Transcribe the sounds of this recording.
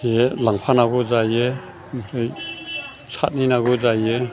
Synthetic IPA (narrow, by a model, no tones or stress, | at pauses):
elaŋpʰanaɡɔzaje | msʰɯj | sʰat̚ninaɡɔzaje